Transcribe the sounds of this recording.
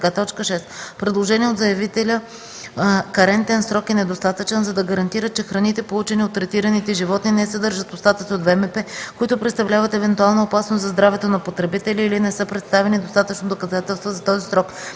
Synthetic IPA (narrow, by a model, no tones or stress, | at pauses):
kat̪ɔt͡ʃkəʃɛspɾɛd̪lˠoʒɛniɛod̪zɐjɐvit̪ɛlʲə | kɐɾɛnt̪ɛnsɾɔkɛnɛd̪ost̪at̪ət͡ʃɛnzɐd̪ɐɡəɾɐnt̪iɾət̪̚t͡ʃɛxɾɐnit̪ɛpolˠut͡ʃɛniot̪ːɾɛt̪iɾɐnit̪ɛʒivɔt̪ninɛsɛd̪ɤɾʒət̪post̪at̪əsiod̪vɛmɛpɛkoit̪ʊpɾɛt̪st̪ɐvlʲavət̪ɛvɛnt̪ualˠnoopasnoszɐzd̪ɾavɛt̪onɐpot̪ɾɛbit̪ɛlʲiːlinɛsɤpɾɛt̪st̪avɛnid̪ost̪at̪ət͡ʃnod̪okɐzat̪ɛlˠst̪vozɐt̪ɔzisɾɔk